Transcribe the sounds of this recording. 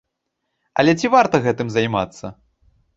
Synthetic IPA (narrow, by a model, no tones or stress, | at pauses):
ɐ̰lʲɛt͡sʲivart̪ɐɣɛt̪ɨmzajma̰t̪sːɐ̰